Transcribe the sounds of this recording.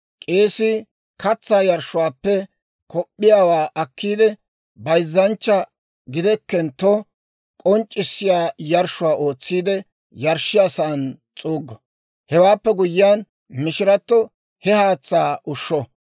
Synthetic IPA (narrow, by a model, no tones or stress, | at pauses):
kʼe̞ːsɪ | kɐt͡sːaːjɐɾʃːʊwaːpːɛ | kɔpʼːɪjaːwaːʔɐkːiːd̪ɛ | bɐjzːɐnt͡ʃːɐ | ɡɪd̪ɛkːɛnt̪ːɔ | kʼɔnt͡ʃʼːɪsːɪjaːjɐɾʃʊwaːo̞ːt͡sːiːd̪ɛ | jɐɾʃːɪjɐsaːnt͡sʼuːɡːɐ | hɛwaːpːɛɡʊjːɪjaːn | mɪʃɪɾɐt̪ːɔ | hɛhaːt͡sːaːʔʊʃːɔ